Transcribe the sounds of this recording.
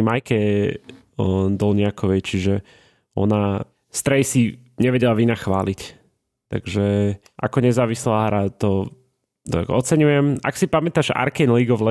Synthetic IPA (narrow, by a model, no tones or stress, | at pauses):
majkɛ | d̪ɔlɲɪakɔʋɛjt͡ʃiʒɛ | ɔ̰na | st̪ɾɛjsi | ɲɛʋɛɟɛlaʋinaxʋa̰ːlic | t̪a̰ɡ̥ʒɛ | ʔa̰kɔɲɛzaːʋislaːɦɾat̪ɔ | t̪a̰kɔt͡sɛɲujɛma̰ksipamɛt̪aːʒa̰ɾkɛnliːɡɔʋlɛ